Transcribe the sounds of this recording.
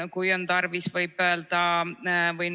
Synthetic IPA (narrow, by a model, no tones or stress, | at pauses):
kujo̞nt̪ɑrvisvɤjbøːld̪ɑ | vɤjn